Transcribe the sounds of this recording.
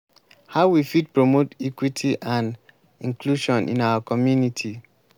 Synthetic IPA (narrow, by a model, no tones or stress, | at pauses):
haʊwifid̚pɹomotikwitʰiʔãn | ĩŋkʰluʃɔ̃nʔḭ̃nawakɔmjunitʰi